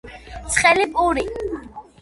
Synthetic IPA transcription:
t̪sʰχɛlipʼuɾi

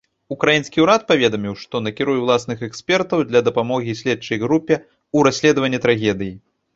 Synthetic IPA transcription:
ukɾajinskʲiuɾat̪̚pavʲɛd̪ɐmʲiwʂt̪ɔnɐkʲiɾujɛwlˠasnɨxɛksʲpʲɛrt̪ɐwd̪lʲɐd̪ɐpamɔɣʲisʲlʲɛt͡ʂɐjɣɾupʲɛ | uɾasʲlʲɛd̪ɐvɐnʲːɛt̪ɾaɣʲɛd̪ɨji

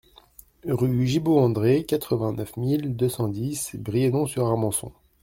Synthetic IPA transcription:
ʁyʒiboɑ̃d̪ʁekat̪χəvɛ̃nœfmild̪øsɑ̃d̪isbʁijɛnɔ̃syʁaʁmɑ̃sɔ̰̃

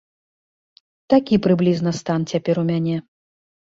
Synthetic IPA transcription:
t̪akʲipɾɨblʲiznɐst̪ant͡sʲapʲɛɾumʲanʲɛ

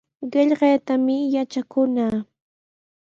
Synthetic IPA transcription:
ɢɪʎɢɑjt̪amɪjat͡ʃakʊnaː

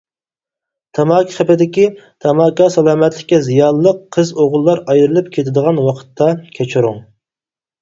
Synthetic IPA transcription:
t̪ʰɑmɑːkʲʰi̥χæpɪd̪ɪkʲi | t̪ʰɑmɑːkɑsɛlˠɑːmɛt̪lɪkʲːɛzijɑnəlˠəqʰːəzoʁlˠːɑɾɑjɾɨlˠɨp̚kʲʰet̪ʰɪd̪əʁɑnwɑqʰə̥t̪ʰːɑkʲʰɛt͡ʃʰuɾuŋ

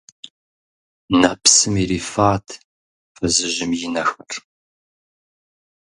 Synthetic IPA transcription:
napsɨmiɾiːfaːtʰ | fɐzɨʑɪmjɪnɐxɐr

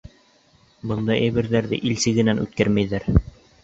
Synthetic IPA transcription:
bɤ̆nd̪ɑʔæjβɘ̆ɾðæɾðɘ̰ʔilsɘ̆ɣɡɘ̆nænʉ̰t̪̚kæɾmæjðæɾ

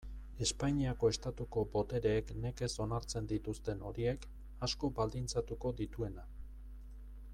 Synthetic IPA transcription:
e̞spaɲiako̞e̞st̪at̪uko̞bo̞t̪e̞ɾe̞ːkne̞ke̞so̞naɾt͡se̞nd̪it̪ust̪e̞no̞ɾie̞k | asko̞bald̪int͡sat̪uko̞d̪it̪ue̞na

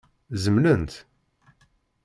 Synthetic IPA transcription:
zəmlənt̪

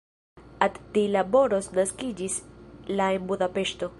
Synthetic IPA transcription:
atdilabo̞ɾo̞snaskid͡ʒislaenbudape̞ʃto̞

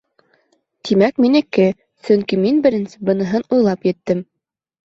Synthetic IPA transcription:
t̪ʰimækminɘ̆kːɘ | sɵŋkiminbɘ̆ɾɘ̆nsɘbɤ̆nɤ̆ɦɤnujlˠɑpjɘ̆t̪ːɘm

